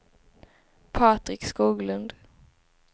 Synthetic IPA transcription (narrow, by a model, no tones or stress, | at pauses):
pʰɑːt̪ɾɪkskuːɡlɵnd̪